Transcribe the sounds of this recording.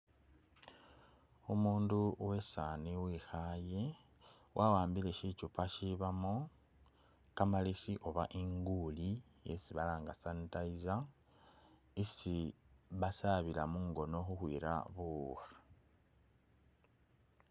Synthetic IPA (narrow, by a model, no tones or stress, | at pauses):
omuːnduwe̞saːniwixaːje̞ | wʔawaːmbile̞ʃicupaʃiβamo | kamalisiʔo̞βaʔiŋɡuːli | jḛsiβalaːŋɡasanitaiza | isiβasaβilamuŋɡo̞no̞xuxwḭːɾa̰βuːxḁ